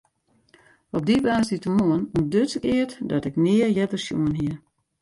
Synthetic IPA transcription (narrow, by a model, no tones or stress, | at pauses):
ɔp̚dibaːsitəmoənundøtsəkɪətdɔtɪknɪərjɛtərsjṵənɦiə